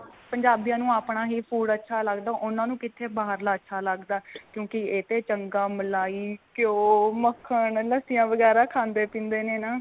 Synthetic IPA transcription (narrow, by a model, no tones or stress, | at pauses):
pəɲd͡ʒaːbijãːnũːaːpɳaːɦiːpʰuːɖətːʃʰaːləɡd̪aːʔʊnãːnũːkɪt̪ʰːeːbaːɦəɾlaːətːʃʰaːləɡd̪aːkjõːkɪeːt̪eːt͡ʃəŋɡãːməlaːiːkjoːməkʰːəɳləsɪjãːʋəɡɛːɾaːkʰãːnd̪eːpĩːnd̪eːneːnaː